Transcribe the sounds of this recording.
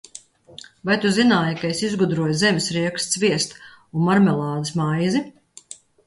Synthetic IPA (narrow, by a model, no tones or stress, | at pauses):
vajt̪uzinaːjkaesizɡud̪ɾuɔjzemʲɪsɾiɛkst̪svʲiɛst̪ | unmaɾmɛlˠaːd̪ɨsmajzi